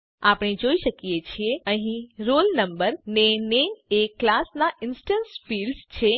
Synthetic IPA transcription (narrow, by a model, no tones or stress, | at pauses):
apɳ̃id͡ʒoiʃəkijet͡ʃʰieəɦĩɾolnəmbəɾneneeklasnaʔɪnsʈənsfilɖt͡ʃʰe